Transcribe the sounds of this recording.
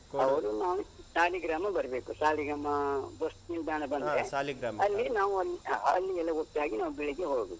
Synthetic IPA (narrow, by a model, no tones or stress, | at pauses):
ɐʋɐɾunaːʋusaːliɡɾaːmɐbɐɾɐbeːkusaːliɡamɐbɐst̪̚nild̪ʱaːɳɐbɐndɾealiɡɾamɐlːinaːʋuɐlːiaːɐlːiɛlːɐɡokt̪ːaːɡinaːʋubiɭiɡeɦoːɡbeːku